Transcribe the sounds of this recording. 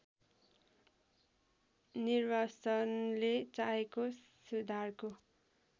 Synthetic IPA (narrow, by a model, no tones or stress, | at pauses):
nirwasʌnlet͡saeko | sud̪ʱarko